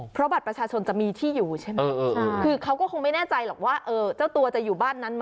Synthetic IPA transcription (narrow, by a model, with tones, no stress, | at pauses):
pʰɾɔ˦˥ba˨˩t̪̚pɾa˧t͡ɕʰaː˧t͡ɕʰo˧nt͡ɕa˨˩miː˧t̪ʰiː˥˩juː˨˩t͡ɕʰe˥˩mɤː˧ʔːkʰɯː˧kʰa˦˥wkɔː˥˩o˧ŋma˥˩jnɛː˥˩t͡ɕa˧jlɔː˨˩k̚waː˥˩ʔɤː˧t͡ɕa˥˩wt̪u˧ɐt͡ɕa˨˩juː˨˩baː˥˩nːa˦˥nm˦˥